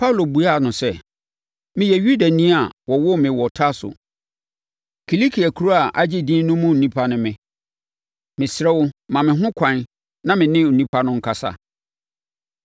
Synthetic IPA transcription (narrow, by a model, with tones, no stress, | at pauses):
pʰa˦wlo˨bu˨a˦˨nʊ̃˨sɛ˦ | mɪ̃˨jɛ˨ɥu˦da˨nĩ˦a˨wɔ˨wʊ˦mɪ̃˨wɔ˨tʰa˦sʊ̰˨ | kʰi˨li˦kʰi˨a˨kʰu˦ɾo˦a˨ʔa˦d͡ʑɪ˦dĩ˦nʊ̃˦mʊ̃˦n̩˨nĩ˦pʰa˦nʊ̃˦mɪ̃˨ | mɪ̃˨sɾɛ˦wʊ˦mã˨mɪ̃˨ɦʊ̃˦kʷʰã˨n | nã˦mɪ̃˨nɪ̃˦˨nĩ˦pʰa˦nʊ̃˦ŋ̩˦kʰa˨sa̰˦˨